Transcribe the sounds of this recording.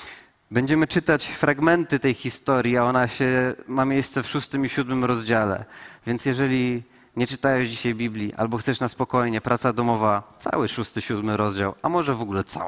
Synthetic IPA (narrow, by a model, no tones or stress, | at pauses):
bɛɲd͡ʑɛmɘt͡ʂɘt̪at͡ɕfɾaɡmɛnt̪ɘt̪ɛjxʲist̪ɔɾʲjiaɔnaɕɛmamʲjejst̪sɛfʂust̪ɘmiɕud̪mɘmɾɔzd͡ʑalɛ̰vʲjɛnt̪sʲjɛʐɛlʲi | ɲɛt͡ʂɘ̥t̪ajɛʐd͡ʑiɕajbʲiblʲiʔa̰lbɔxt̪sɛʂnaspɔkɔjɲɛpɾat̪sad̪ɔmɔvat̪sa̰wɘʂust̪ɘɕud̪mɘɾɔzd͡ʑawamɔʐɛvɔɡulɛt̪sa̰